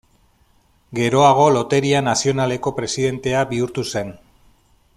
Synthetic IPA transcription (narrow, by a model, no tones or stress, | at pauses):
ɡe̞ɾo̞aɣ̞o̞lo̞t̪e̞ɾianasio̞nale̞ko̞pɾe̞siðe̞nt̪e̞abiuɾt̪use̞n